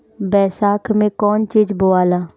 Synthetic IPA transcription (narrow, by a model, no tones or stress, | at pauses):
bɛːsaːkʰmẽkɔːnt͡ʃiːd͡ʒboaːlaː